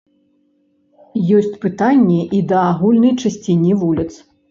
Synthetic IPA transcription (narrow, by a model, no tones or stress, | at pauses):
jɔsʲt͡sʲpɨt̪anʲːɛʔid̪ɐːɣulʲnɐjt͡ʂasʲt͡sʲinʲivulʲit̪s